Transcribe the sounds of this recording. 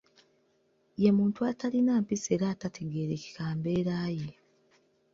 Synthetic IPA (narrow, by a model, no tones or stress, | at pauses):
je̞muːntuatalinaːmpise̞ɾaːtatʰe̞ɡe̞ːɾe̞ːci̥kaːmbe̞ːɾaːje